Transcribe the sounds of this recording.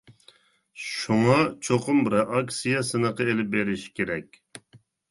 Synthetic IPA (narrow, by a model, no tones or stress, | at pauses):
ʃuŋɑt͡ʃʰoqʊmbɪɾɛʔɑksijɑsɨnəqɑelɪp̚beɾɪʃkʲeɾɛkʲ